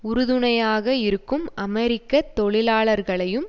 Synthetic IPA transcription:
ʊɾʊðɯɳɐjaːɣɐɪɾɯkːɯmɐmɛɾɪkːɐt̪ːɔɭɪlaːɭɐɾɣɐɭɐjɯm

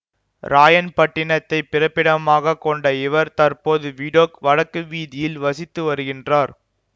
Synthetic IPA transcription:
ɾaːjɐnpɐʈːɪɳɐt̪ːɐɪpɪrɐpːɪɽɐmaːɣɐkːɔɳɖɐɪʋɐɾt̪ɐɾpoːðɯʋiːɽoːkʋɐɻɐkːɯʋiːðɪjɪlʋɐsɪt̪ːɯʋɐɾɯɣɪndraːɾ

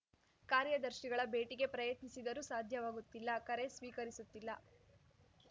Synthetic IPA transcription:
kaːɾjɐd̪ɐɾʃiɡɐɭɐbe̞ːʈiɡe̞pɾɐjɐt̪nisid̪ɐɾusaːd̪ʱjɐʋaːɡut̪ːilːɐkɐɾe̞sʋiːkɐɾisut̪ːilːɐ

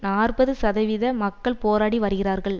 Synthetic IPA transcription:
naːrbɐðɯsɐðɐʋɪðɐmɐkːɐɭpoːɾaːɽiʋɐɾɯɣɪraːɾɣɐɭ

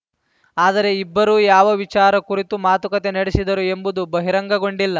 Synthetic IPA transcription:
aːd̪ɐɾe̞ibːɐɾuːjaːʋɐʋit͡ʃaːɾɐkuɾit̪umaːt̪ukɐt̪e̞nɐɽesid̪ɐɾue̞mbud̪ubɐɦiɾɐŋɡɐɡo̞ɳɖilːɐ

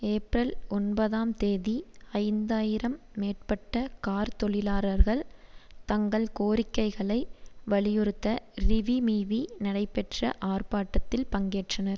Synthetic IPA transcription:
eːpɾɐlɔnbɐðaːmt̪eːðiɐɪnd̪aːjɪɾɐmːeːʈ̚pɐʈːɐkaːɾt̪ɔɭɪlaːɾɐɾɣɐɭt̪ɐŋɡɐɭkoːɾɪkːɐɪɣɐɭɐɪʋɐɭɪjʊɾɯt̪ːɐrɪʋimiːʋinɐɽɐɪpːɛʈrɐ̰ʔaːrpaːʈːɐt̪ːɪlpɐŋɡeːʈrɐnɐɾ

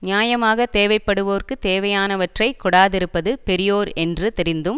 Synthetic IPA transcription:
nɪjaːjɐmaːɣɐt̪eːʋɐɪpːɐɽɯʋoːrkɯt̪eːʋɐjaːnɐʋɐʈrɐɪkːʊɽaːðɪɾɯpːɐðɯpɛɾɪjoːɾɛndrɯt̪ɪɾɪnd̪ɯm

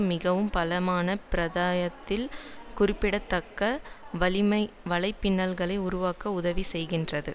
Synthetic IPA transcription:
mɪɣɐʋɯmpɐlɐmaːnɐpɪɾɐðaːjɐt̪ːɪlkʊrɪpːɪɽɐt̪ːɐkːɐʋɐɭɪmɐɪ | ʋɐɭɐɪpːɪnːɐlɣɐɭɐɪʊɾʊʋaːkɐʊðɐʋisɛjɣɪndrɐðɯ

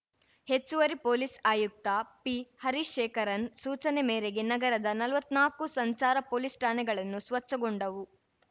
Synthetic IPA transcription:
he̞t͡ʃːuʋɐɾipoːlisaːjuk̚t̪ɐpihɐɾiʃeːkɐɾɐnsuːt͡ʃɐnemeːɾeɡe̞nɐɡɐɾɐd̪ɐnɐlʋɐt̪ːnaːkusɐɲt͡ʃaːɾɐpoːlisʈaːnɛɡɐɭɐnːusʋɐt͡ʃːɐɡoɳɖɐʋu

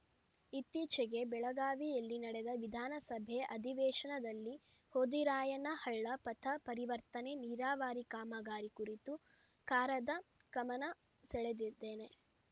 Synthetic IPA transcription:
it̪ːiːt͡ʃeɡe̞bɛɭɐɡaːʋijɐlːinɐɽed̪ɐʋid̪ʱaːnɐsɐbʱeʔɐd̪ʱiʋɛːʂɐɳɐd̪ɐlːi | hoːd̪iɾaːjɐnɐhɐɭːɐpɐt̪ʰɐpɐɾiʋɐɾt̪ɐne̞niːɾaːʋaːɾikaːmɐɡaːɾikuɾit̪u | kaːɾɐd̪ɐkɐmɐnɐ | sɛɭed̪id̪ːeːne̞

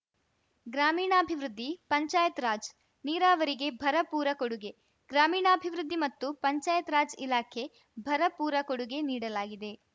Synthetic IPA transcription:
ɡɾaːmiːɳɐːbʱiʋɾud̪ʱːipɐɲt͡ʃaːjɐt̪ɾaːd͡ʒ | niːɾaːʋɐɾiɡe̞bʱɐɾɐpuːɾɐkoɽuɡe̞ | ɡɾaːmiːɳɐːbʱiʋɾud̪ʱːimɐt̪ːupɐɲt͡ʃaːjɐt̪ɾaːd͡ʒilaːkʰe̞ | bʱɐɾɐpuːɾɐkoɽuɡe̞niːɽɐlaːɡid̪e̞

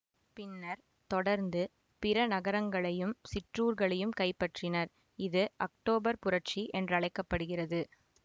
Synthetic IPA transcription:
pɪnːɐɾ | t̪ɔɽɐɾnd̪ɯ | pɪɾɐnɐɣɐɾɐŋɡɐɭɐjɯmsɪʈruːɾɣɐɭɐjɯmkɐɪpːɐʈrɪnɐɾ | ɪðɯʔɐk̚ʈoːbɐɾpʊrɐʈt͡ʃiʔɛndrɯɐɭɐɪkːɐpːɐɽɯɣɪrɐðɯ

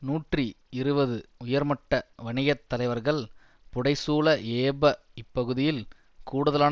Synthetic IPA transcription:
nuːʈri | ɪɾɯbɐðɯʊjɐɾmɐʈːɐʋɐɳɪjɐt̪ːɐlɐɪʋɐɾɣɐɭ | pʊɽɐɪsuːlɐeːbɐ | ɪpːɐɣɯðɪjɪl | kuːɽɐðɐlaː

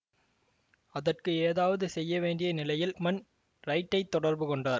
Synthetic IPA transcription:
ɐðɐrkɯeːðaːʋɐðɯsɛjːɐʋeːɳɖɪjɐnɪlɐjɪlmɐn | ɾɐɪʈːɐɪt̪ːɔɽɐɾbɯkɔɳɖaːɾ

